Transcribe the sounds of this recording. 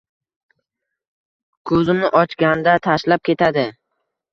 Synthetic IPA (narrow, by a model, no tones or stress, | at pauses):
kʰɵzɪmnɪʔɒt͡ʃɡʲand̪at̪ʰaʃlap̚kʲe̞t̪ʰad̪ɪ